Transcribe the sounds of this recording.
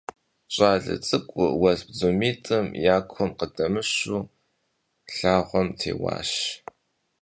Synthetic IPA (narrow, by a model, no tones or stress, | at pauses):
ɕʼaːɮɨ̰t͡sʼɨkʷʼʊwɐzbzumiːtʼɨmjaːkʷʰɔmqədɐmɨɕuː | ɬaːʁʷɔmtʰḛːwɑ̰ːɕ